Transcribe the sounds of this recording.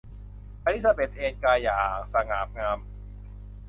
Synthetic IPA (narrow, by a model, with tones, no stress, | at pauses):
paː˧ɾi˦˥t̪̚sa˧beː˨˩t̪̚ʔeː˧nkaː˧jaː˨˩k̚sa˧ŋaː˩˦p̚ŋaː˧m